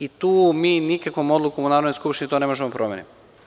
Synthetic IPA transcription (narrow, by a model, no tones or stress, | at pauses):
it̪uːmiːnikakʋomo̞d̪lˠukomunaːɾod̪nojskupʃt̪init̪one̞mo̞ʒemopɾʔomjeni